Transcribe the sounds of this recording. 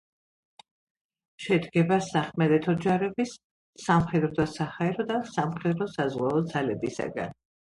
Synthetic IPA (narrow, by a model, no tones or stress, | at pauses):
ʃɛd̪ɡɛbasaχmɛd̪ɛt̪ʰɔd͡ʒaɾɛbisː | amχɛd̪ɾɔd̪asahaɛɾɔd̪asamχɛd̪ɾɔsazʁwaɔd̪zalɛbisa̰ɡa̰n